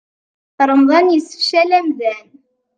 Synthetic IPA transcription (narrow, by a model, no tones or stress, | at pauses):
θɾˤəmðˤɑnjəsə̥fʃælæmðæn